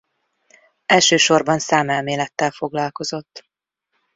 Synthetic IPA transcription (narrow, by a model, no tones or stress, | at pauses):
ɛlʃøːʃo̞rbɒnsaːmɛlmeːlɛt̪ːɛlfo̞ɡlɒlko̞zo̞t̪ː